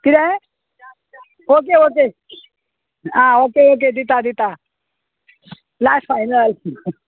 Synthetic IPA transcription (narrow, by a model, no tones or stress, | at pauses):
kid̪ɛ | ok̬eok̬e | ãokeok̬ed̪it̪ad̪it̪a | lasfajnəl